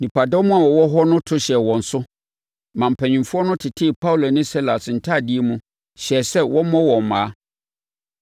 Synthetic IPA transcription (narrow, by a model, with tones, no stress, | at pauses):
nĩ˨pa˨dɔ˦mʊ̃˦a˨wɔ˨wɔ˦ɦɔ˦nʊ̃˦tʰʊ˦ɕɛ˨wɔ̃˨n̩˨sʊ˦ | mã˨m̩˨pʰɛ̃˨ɲĩ˨fʊ˦ɔ˦nʊ̃˦tʰɪ˨tʰɪ˦˨pʰa˦u˨lo˨nɪ̃˦si˦la˨sn̩˨tʰa˦˨di˦e˦mũ˦ | ɕɛ˨sɛ˦wʔɔ̃˦mɔ̃˦wɔ̃˨m̩˨mãː˨a˦